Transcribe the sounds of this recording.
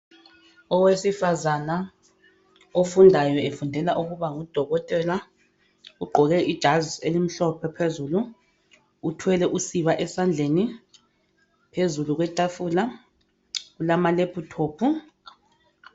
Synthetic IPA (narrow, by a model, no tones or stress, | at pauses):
ɔwesifazana | ofundʱajɔefundʱɛlaʔuɣuβaŋud̥ʱɔɣɔtʼɛla | uɡ͡ǃʱɔɣɛʔid̥ʒ̥ʱaziselim̩ɬɔpʰɛpʰezuluː | tʰwɛlɛʔusiβaʔɛsand͡ɮʱeni | pʰezuluɣwɛtʼafula | ɣulamalepʰutʰoːpʰu